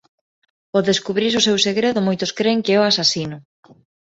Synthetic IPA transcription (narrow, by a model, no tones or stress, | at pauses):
oðeskuβɾiɾʊsewseɣɾeðʊmojt̪ʊskɾeŋkɪɛoasasinʊ